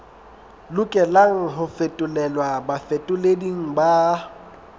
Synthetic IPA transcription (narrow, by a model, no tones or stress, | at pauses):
lʊkʼɛlaŋ̩ɦʊfetʼʊlɛlwabafetʼʊlediŋ̩ba